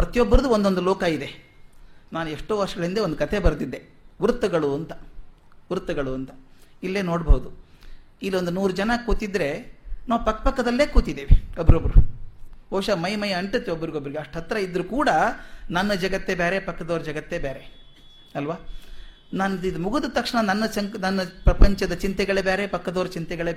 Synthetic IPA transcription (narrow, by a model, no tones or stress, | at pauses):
pɾɐt̪jɔbːɐɾɐd̪uond̪ond̪ulɔːkɐid̪e̞ | naːnueʂʈoːʋɐɾʂɐɡɐɭind̪eond̪ukɐt̪ʰe̞bɐɾɐd̪id̪ːe̞ | ʋuɾt̪ɐɡɐɭuɐnt̪ɐ̥ | ʋuɾt̪ɐɡɐɭuɐnt̪ɐ̥ilːe̞ːno̞ːɽbɐwud̪u | ilːio̞nd̪unuːɾud͡ʒɐnɐkuːt̪id̪ɾe̞naːʋupɐkːɐ̥pɐkːɐd̪ɐlːe̞ːkuːt̪id̪ːeːʋeobːɐɾobːɐɾubʱoːʃɐmɐjɐmɐjɐɐɳʈut̪ːeobːɐɾiɡobːɐɾiɡeɐʂʈɦɐt̪ːɾɐid̪ɐɾukuːɽɐnɐnːɐd͡ʒɐɡɐt̪ːe̞beːɾepɐkːɐd̪oːɾɐd͡ʒɐɡɐt̪ːe̞ːbeːɾe | ɐlʋaː | nanid̪muɡud̪ut̪ɐkʂɐɳɐnɐnːɐsɐŋknɐnːɐpɾɐpɐɲt͡ʃɐd̪ɐt͡ʃint̪ɛɡɐɭebeːɾepɐkːɐd̪oːɾɐt͡ʃint̪ɛɡɐɭe